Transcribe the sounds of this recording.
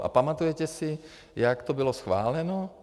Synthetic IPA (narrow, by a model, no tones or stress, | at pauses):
ʔa̰pamat̪ujɛcɛsɪ | jakt̪obɪlosxʋa̰ːlɛno